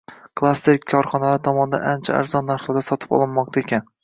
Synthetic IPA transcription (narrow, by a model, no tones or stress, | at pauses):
kʰlˠast̪ekʲʰːɒɾχɒnalaɾt̪ʰɒmɒnɪd̪a̰nant͡ʃʰa̰a̰ɾzɒnːaɾχlˠɪd̪asɒt̪ʰɪ̥pɒ̰lˠɪnmɒq̚t̪ʰaekʲʰan